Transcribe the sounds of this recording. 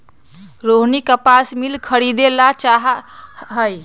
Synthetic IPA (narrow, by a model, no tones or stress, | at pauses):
ɾoɦnikəpasmilkʰəɾid̪elat͡ʃaɦɦəj